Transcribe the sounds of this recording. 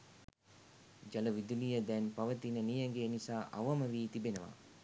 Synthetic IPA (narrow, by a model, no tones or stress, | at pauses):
d͡ʒɐləʋid̪ulijəd̪ɛnpɐʋət̪inənijɐŋɡenisaːʔɐ̰ʋɐməʋiːt̪ibenəʋa̰ː